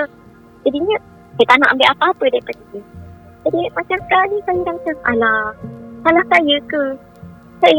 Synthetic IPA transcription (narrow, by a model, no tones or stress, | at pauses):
d͡ʒadiɲə̃ | sajt̪anaʔambeʔapaapədajpaditə | d͡ʒadimat͡ʃamsə̥kalisajidaŋt̪əsʔalasalahsajəkə | sa